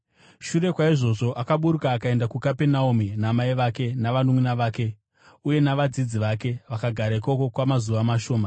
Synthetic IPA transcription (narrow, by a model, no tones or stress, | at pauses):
ʃure̞kwaiʐo̞ʐo̞ʔakaɓuɾukaːkae̞ndakukapenauminamaiʋake̞naʋanuminaʋaːke̞ | uje̞naʋad͡zid͡ziʋake̞ʋakaɡʱaɾaiko̞ko̞kwamazuʋamaʃo̞ːma